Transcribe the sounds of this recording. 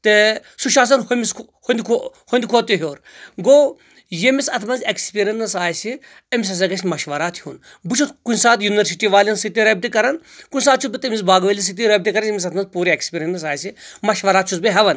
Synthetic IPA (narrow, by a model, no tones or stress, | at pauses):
t̪esuʃaːs̬ɐnɦomis | hond̪kʰohond̪kʰoːt̪iɦjoːɾɡoː | jemisɐt̪ʰmɐnzekspiːɾʲɐnnɐsaːjsi | ɐmis̬ɐs̬ɐɡɐsʲmɐʃʋɐɾaːt̪ʰhun | but͡ʃʰut̪kunʲsaːt̪juniʋɐɾsiʈiʋaːlʲɐnsit̪iɾɐb̚t̪ikɐɾɐn | kunʲsaːt̪̚t͡ʃʰut̪̚bit̪emis̬baːɡʋɐlʲis̬it̪̬iɾɐb̚t̪ikɐɾɐnjemʲisɐt̪ʰmɐnzpuːɾiekspʲiːɾʲɐnnɐs̬aːjsimɐʃʋɐɾaːt̪t͡ʃʰut̪beɦɐʋɐn